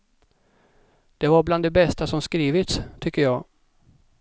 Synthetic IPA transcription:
d̪̥ɛvaɾbland̪ɛbɛst̪asɔmskɾiːvɪt̪st̪ʰʏkːəjɑː

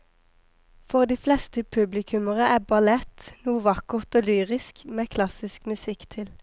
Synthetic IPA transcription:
fɔʁd̪iːflɛst̪əpʰʉblɪkʰʉməʁəʔæːbɑlɛt̪nuːʋɑkʊʁt̪oːlyːʁɪskmeːkʰlɑsɪskmʉsɪkt̪ʰɪl

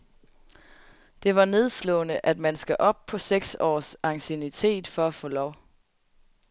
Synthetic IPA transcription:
d̥e̝ʋɑ̈ne̝ð̞ˠslɔ̰̽ːnəʔæd̥mænsɡ̥æʔɒ̽b̥̚pʰɒ̽seɡ̥sɒ̰ːsɑ̈ŋsenit͡sʰe̝̰ːd̥fɒ̽æfɔ̰ːlɒʊ

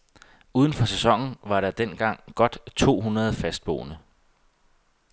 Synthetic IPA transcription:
uːð̞ˠn̩fɒ̽sesɒ̽ŋ̰n̩ʋɑ̈ɾɑ̈d̥en̰ɡ̥ɑ̈ŋ̰ɡ̥ɒ̽d̥t͡sʰo̝̰ːɦunɐð̞̩ˠfæsd̥̚b̥o̝̰ːnə

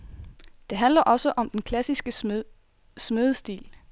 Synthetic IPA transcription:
d̥e̝ɦænlɐʔɒ̽səʔɒ̽md̥enkʰlæsisɡ̥ə | smeðˠsd̥ḭːl

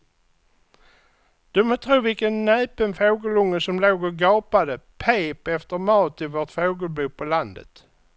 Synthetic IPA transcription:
d̪̥ɵmɔt̪ʰɾuːvɪlkənːɛːpənfoːɡəlʊŋːəsɔmloːɡɔɡɑːpad̪əpʰeːpɛft̪əɾmɑːt̪ɪvoːʈfoːɡəlbʉːpʰɔland̪ə̰t̪

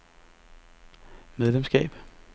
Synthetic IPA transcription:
meðˠlemsɡ̥ɛ̰ːb̥

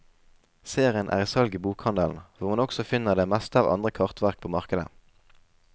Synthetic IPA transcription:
seːʁɪənʔæ̰ːʁiːsɑlɡiːbuːkhɑnd̪əln̩ʋʊʁmɑnɔksɔfɪnːəʁd̪eːmɛst̪əɑːʋʔɑ̰nd̪ʁəkʰɑʁt̪ʋæʁk̚pʰoːmɑʁkəd̪ə̰

